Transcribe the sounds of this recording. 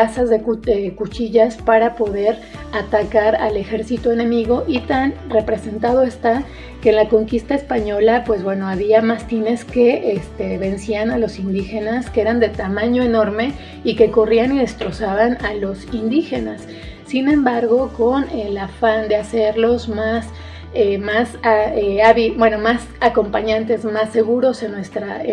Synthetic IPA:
asazðekdekut͡ʃiʝaspaɾapo̞ðe̞ɾ | at̪akaɾa̰le̞xe̞ɾsit̪o̞e̞nẽ̞miɣo̞ʔit̪anre̞pɾe̞se̞nt̪að̞o̞e̞st̪a | ke̞ːnlako̞ŋkist̪aespaɲo̞lapwe̞zβbwe̞no̞aβiamast̪ine̞ske̞ʔest̪e̞βe̞nsianalo̞sind̪ixe̞naskee̞ɾand̪e̞t̪amãɲo̞e̞no̞ɾme̞ | ikeko̞rianiðe̞st̪ɾo̞saβanalo̞sind̪ixe̞nasː | inẽ̞mbaɾɣo̞ko̞nelafand̪e̞ase̞ɾlo̞zmas | emasaeaβibwe̞no̞mas | ako̞mpaɲãnt̪e̞zmasːe̞ɣuɾo̞se̞nːwe̞st̪ɾa

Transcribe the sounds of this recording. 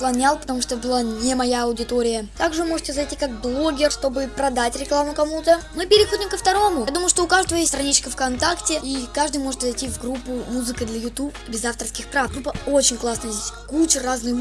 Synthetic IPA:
plˠɐnʲalˠpət̪ɐmuʂtoəbɨlˠanʲɪmɐjaɐʊdʲɪt̪o̞ɾʲɪjət̪aɡʐɨvɨmo̞ʐɨtʲɪzɐjtʲikak̚blˠo̞ɡʲɪrst̪o̞bɨpɾɐd̪atʲɾʲɪklˠamʊkɐmut̪əmɨpʲɪɾʲɪxodʲɪmkəft̪ɐɾo̞mʊjd̪uməjʊʂt̪oʊkaʐd̪əvəjesʲtst̪ɾɐnʲit͡ɕkəfkɐnt̪aktʲɪikaʐd̪ɨjmo̞ʐɨt̪zɐjtʲivɡɾupːʊmuzɨkɨd̪lʲɐjʊt̪upbʲɪzaft̪ərskʲɪxpɾafɡɾupːəot͡ɕɪnʲklˠasnəjəzdʲesʲkut͡ɕɪraznɨjʊ

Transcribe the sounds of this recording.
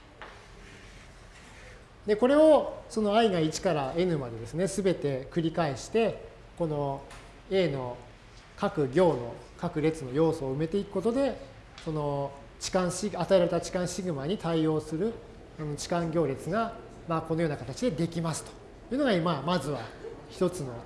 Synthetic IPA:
d̪e̞ko̞ɾe̞o̞so̞no̞aiɡait͡ɕi̥kaɾae̞nɯ̟mad̪e̞d̪e̞sɨne̞sɨbe̞t̪e̞kɯ̟ɾʲikaeɕi̥t̪e̞ | ko̞no̞ | e̞ːno̞ | kakɯ̟ɡʲo̞ːno̞̰ | kakɯ̟ɾe̞t͡sɨno̞jo̞ːso̞ːɯ̟me̞t̪e̞ikɯ̟̥ko̞t̪o̞d̪e̞ | so̞no̞ | t͡ɕi̥kãɰ̃ɕiat̪aeɾaɾe̞t̪at͡ɕi̥kãɰ̃ɕiɡɯ̟maɲ̟it̪aio̞ːsɨɾɯ̟ | sono̞t͡ɕi̥kãŋɡʲo̞ːɾʲet͡sɨɡa | maːko̞nojoːnakat̪at͡ɕid̪ed̪e̞kʲimasɨ̥t̪o̥ | jɯ̟ːnoɡaimamazɨβaçi̥t̪o̞t͡sɨno̞

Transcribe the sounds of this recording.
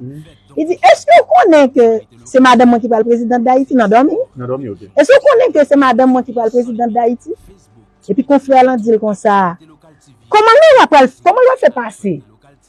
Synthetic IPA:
id͡ziʔɛskøokõnɛ̃kø | sɛmad̪ãmːw̃ɛ̃k̬ipɣalpʁezid̪ãt̚d̪aitinɐ̃dɔmĩŋ | ɛskokɔ̃nɛ̃kəsɛmadãmːwɛ̃kipɣalpʁezid̪ãd̪aiti | epikɔ̃fɛlãd͡zilkɔ̃sa | kɔmãnũapalkɔm̃lpwalfɛpase

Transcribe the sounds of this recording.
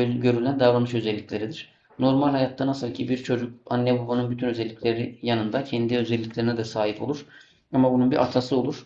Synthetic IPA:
ɟø̞ɾylʲænd̪avɾanɯʃø̞zɛlʲːicʰʲlʲeɾid̪iɾ̥ | no̞ɾmalʲhajat̪ʰːanasɯlˠcʰibiɾt͡ʃʰo̞d͡ʒukanːɛbabanɯnbyt̪ʰynø̞zɛlʲːicʰʲlʲeɾijanɯnd̪acʰɛnd̪iø̞zɛlʲːiclʲe̞ɾinɛd̪ɛsaːɦipʰo̞lˠuɾ̥ | amabununbiɾʔa̰t̪ʰasɯo̞lˠuɾ̥

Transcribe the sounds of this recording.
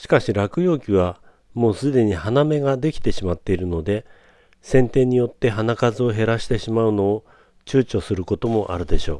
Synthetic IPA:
ɕi̥kaɕiɾakɯ̟jo̞ːkʲiβa | mo̞ːsɨd̪e̞ɲ̟ihaname̞ɡad̪e̞kʲi̥t̪e̞ɕimat̪ːe̞iɾɯ̟no̞d̪e̞ | sẽ̞nt̪ẽ̞ɲ̟ːijo̞t̪ːe̞ɦanakazɨo̞ɦe̞ɾaɕi̥t̪e̞ɕimaɯ̟no̞ː | t͡ɕɨːt͡ɕo̞sɨɾɯ̟ko̞t̪o̞mo̞ʔa̰ɾɯ̟d̪e̞ɕo̞̰ː

